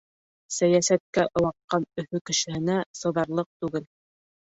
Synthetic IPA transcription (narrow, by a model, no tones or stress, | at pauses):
sæjæsæt̪̚kæʔŏwɑqːɑnɵ̆fɵkɘ̆ʃɘ̆hɘ̆næsɤ̆ðɑɾlˠɤq̚t̪ʉɡɘl